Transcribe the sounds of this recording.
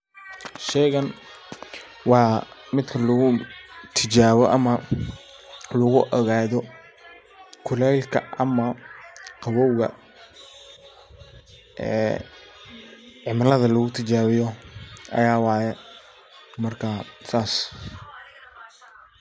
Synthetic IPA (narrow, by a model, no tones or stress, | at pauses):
ʃɛjɣɐn | wɑmɪd̪kʰɐlʊɣʊt̪ʰɪt͡ʃaːβɔʔɐmɐ | lʊɣʊʔɔɣaːðɔ | kʰʊlɛlkʰɐ̰ʔɐmɐqɑβɔwɣɐ̰ | ʔɛ̰ː | ʕɪmlɐðɐlʊɣʊt̪ʰɪt͡ʃaːβɪjɔʔɐ̰jaːwɑːjɛ | mɐrkʰɐsaːs